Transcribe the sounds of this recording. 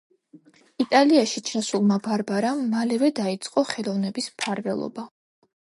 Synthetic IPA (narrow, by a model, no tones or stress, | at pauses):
it̪ʼaliaʃit͡ʃʰasulˠmabaɾbaɾamːalɛvɛd̪ait̪sʼqʼɔχɛlˠɔvnɛbispʰaɾvɛ̰lˠɔ̰ba